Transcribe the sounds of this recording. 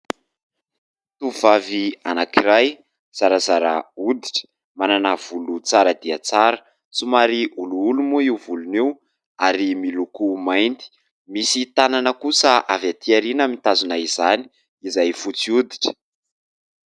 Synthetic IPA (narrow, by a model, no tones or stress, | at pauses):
t̪uvavianakiɾaj | z̥aɾazaɾa̰ud̪iʈ͡ʂə̥ | mananav̥ulut͡saɾəd̪iat͡saɾə | t͡sumaɾiʔuluulumuivuluniw | aɾimilukumajnt̪i̥ | misit̪ananəkusəʔavat̪iaɾinəmit̪azunaizani̥ | izajfut͡siud̪i̥ʈ͡ʂə̥